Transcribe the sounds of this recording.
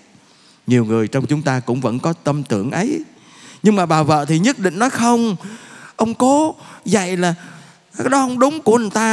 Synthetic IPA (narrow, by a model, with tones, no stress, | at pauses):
ɲi˨˩əwŋɨ˨˩əjt͡ɕɔ˧wŋ͡mt͡ɕʊ˨˦ŋ͡mt̪aː˧kʊ̰˧˥ŋ͡mvə̰˧˥nkɔ˨˦t̪ə˧mt̪ɨ̰˧˩əŋʔə˨˦j | ɲɨ˧ŋmaː˨˩ɓaː˨˩wvə̰ː˧˨t̪ʰi˨˩ɲə˦˥t̚ɗḭ̈˧˨ŋ̟nɔ˨˦jxə˧wŋ͡mʔə˧wŋ͡mkɔ˨˦zə̰˧˨jlaː˨˩ | kaː˦˥jɗɔ˨˦ʔə˧wŋ͡mɗʊ˨˦ŋ͡mku˧˩əʔə˨˩nt̪aː˧